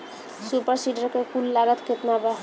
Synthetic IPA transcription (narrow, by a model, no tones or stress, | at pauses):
supəɾsiɖəɾkekulːaɡət̪ket̪nabə